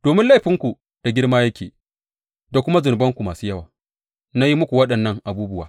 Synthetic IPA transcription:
d̥oː˨mɪ˦nla˦˨ɸɪ˦ŋkʷu˨ | d̥a˨ɡʲɪ˦ɽmaː˦jɐ˦kʲḛː˨ | da˨kʷʊ˦ma˦zʊ˨n˨bɐ˦ŋkʷu˨maː˨suː˦jɐ˦waː˨ | na˦ji˦mʊ˦kʷu˨wɐ˦ɗɐ˨nːɐ˦˨ŋʔa˨buː˦bʊ˦waː˨

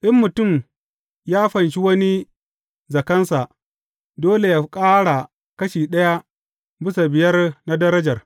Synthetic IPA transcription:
ʔɪ˦mːʊ˨tʊ˦˨m | jaː˦ɸɐ˨nʃi˦wɐ˦ni˦ | zɐ˨kɐ˦nsa˨ʔ | doː˦le˨jaː˦kʼaː˦ɽa˨ | kɐ˦ʃiː˨ɗɐ˦ja˦ | bɪ˦sa˨bɪ˨jɐ˦rna˦dɐ˦ɾɐ˦d͡ʒɐ˨r

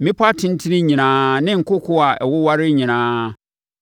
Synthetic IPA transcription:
mɪ̃˦pʰʊ˦a˦tʰɪ̃˦n˦tʰɪ˦nɪ̃˦ɲĩ˨nãː˨˦nɪ̃˦ŋ̩˨kʰʊ˦kʰʊ˦a˨ʔɛ̰˨wʊ˦wa˦ɾɪ˦ɲĩ˨nãː˦

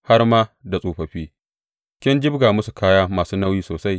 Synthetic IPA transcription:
ha˦rmaː˦da˨sʼoː˨ɸɐ˨ɸiː˦ | kʲɪ˦nd͡ʒɪ˦bɡaː˨mʊ˦su˨kʰaː˦jaː˦maː˨suː˦na˦wjiː˦soː˨sa˦j

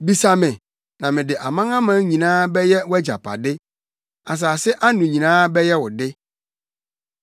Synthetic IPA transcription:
bi˨sa˨mɪ̃˨ | nã˨mɪ̃˨dɪ˨ʔa˨mã˦ŋã˦mã˦ɲĩ˨nãː˦bɛ˦jɛ˦wɛ˦d͡ʑa̰˨pʰa̰˨dɪ˦ | a˨s̬aː˨sɪ˦ʔa˦nũ˨ɲĩ˨nãː˦bɛ˦jɛ˦wʊ˨dɪ˦

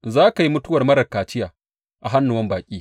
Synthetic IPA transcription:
zaː˦ka˨ji˦mʊ˦tʊ˦wɐ˨rmɐ˦ɽɐ˨kaː˨t͡ʃɪ˦jaː˨ | ʔa˨ɦa˦nːʊ˨wɐ˦mbaː˨kʲʼiː˦

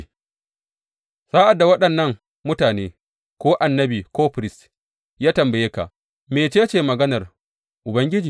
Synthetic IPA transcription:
sa˦ʔa˨dːa˨wɐ˦ɗɐ˨nːɐ˦ŋ | mʊ˦taː˨neː˦ | kʷoː˦ʔa˨nːɐ˦biː˨koː˦ɸɾɪ˦˨s | jaː˦tɐ˨mbɐ˨jeː˦ka̰˨ʔ | meː˨t͡ʃeː˦t͡ʃeː˨mɐ˨ɡɐ˦nɐ˨r | ʔʊ˨bɐ˦ŋɡʲɪ˦d͡ʒiː˨

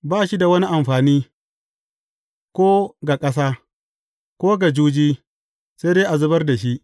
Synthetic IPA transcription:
baː˦ʃi˦da˨wɐ˦ni˦ʔa˨mɸaː˨niː˦ | kʷoː˦ɡa˨kʼɐ˦s̬aː˦ | kʷoː˦ɡa˨d͡ʒuː˦d͡ʒiː˦ | se˦deː˦ʔa˨zʊ˦bɐ˦rda˨ʃi˦ʔ

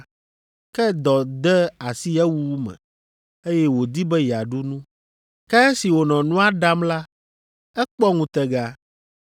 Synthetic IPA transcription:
kɛ˦d̪ɔ˨d̪ɛ˦a˨si˦jɛ˦wu˦mɛ̰̃˨ | e˦jɛ˦wo˨d̪i˦bɛ˦ja˨ɖu˦nũ˦ | kɛ˦si˨wo˨nɔ̃˨nũ˦a˦ɖa˦mla˦ | ɛ˦k͡pɔ˦ŋũ˨t̪ɛ˨ɡa˦

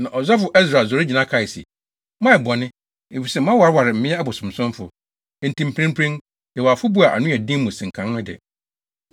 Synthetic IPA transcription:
nã˨ʔɔ˨za˦fʊ˨ʔɛ˦sɾa˨zɔ˨ɾɪ˦d͡ʑi˨nã˦kʰa˨i˨sḭ˨ | mã˦ɛ˨bɔ˨nɪ̃˦ | e˨fi˨sɛ˦˨m˦ã˦wa˨ɾɪ˦wa˨ɾɪ˨m̩˨˦mɪ̃˦ɛ˦a˦bɔ˨sʊ̃˨m˨sʊ̃˦m˦fʊ˨ | e˨n̩˨tĩ˨m̩˨pʰɾẽ˦m˦pʰɾẽ˦n | jɛ˨wa˨fʊ˦bu˦a˨ʔa̰˨nʊ̃˦æ˨dĩ˦mũ˨sɪ̃˨ŋ̩˨kʰã˨n˦nʊ̃˦dɛ̰˨

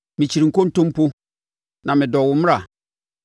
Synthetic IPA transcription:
mĩ˨t͡ɕʰi˨ɾi˨ŋ̩˨ko˦n̩˦tõ˦m˦po˦ | nã˨mɪ̃˨dɔ˨wʊ˨m˦a˨

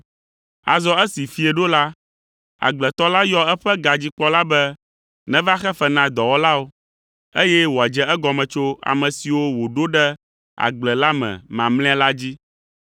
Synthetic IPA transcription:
a̰˨zɔ˦ɛ˦si˨fi˨ɛ˨ɖo˦la˦ | a̰˨ɡ͡blɛ˨t̪ɔ˦la˦jɔ˦ɛ˦ɸɛ˦ɡa˨d͡ʑi˦k͡pɔ˦la˦bɛ˦ | nɛ̃˦va˦xɛ˦fɛ˦nã˨d̪ɔ˨wɔ˦la˦o˦ | e˦jɛ˦wo˨a˨d͡ʒɛ˦ɛ˦ɡɔ˨mɛ̃˨t͡ʃo˦a̰˨mɛ̃˨si˨wo˦wo˨ɖo˦ɖɛ˦ | a̰˨ɡ͡blɛ˨la˦mɛ̰̃˨mã˨mlɛ̃˦a˦la˦d͡ʑi˦

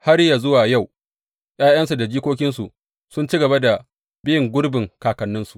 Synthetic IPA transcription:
ha˦ɾja˨zʊ˦waː˨ja˦˨w | j̰aː˦j̰ɐ˦nsu˨da˨d͡ʒiː˦kʷoː˦kʲɪ˦nsu˨ | sʊ˦nt͡ʃi˦ɡɐ˨ba˦da˨ | bɪ˦jɪ˨ŋɡʷʊ˦ɽbɪ˨ŋkaː˨kɐ˨nːɪ˦nsu̥˨ʔ

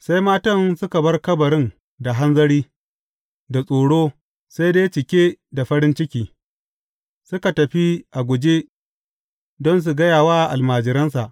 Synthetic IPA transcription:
sa˦jmaː˦tɐ˦nsʊ˦ka˨bɐ˦rkɐ˦bɐ˨ɽɪ˦n | da˨ɦa˦nzɐ˦ɽiː˦ | da˨sʼoː˨ɽoː˦ | sa˦jdeː˦t͡ʃɪ˨kʲeː˦da˨ɸɐ˦ɽɪ˦nt͡ʃɪ˦kʲiː˨ | sʊ˦ka˨tɐ˨ɸi˦ʔa˨ɡʷʊ˨d͡ʒeː˦ | dɔ˦ns̬u˨ɡɐ˦jaː˨waː˦˨ʔa˨lmaː˨d͡ʒɪ˨ɾɐ˦ns̬a˨ʔ

